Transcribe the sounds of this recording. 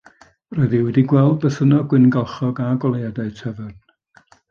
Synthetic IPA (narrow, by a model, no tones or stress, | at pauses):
rɔɨðiwɛdiɡwɛlˠd̚bəθənɔɡwɪnɡalˠχɔɡaɡɔlˠejadaɨtʰɛvərn